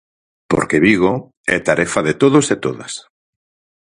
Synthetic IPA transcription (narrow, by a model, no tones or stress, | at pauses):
po̰ɾkeβiɣ̞o | ɛ̰t̪aɾɛfaðet̪oðoset̪oða̰s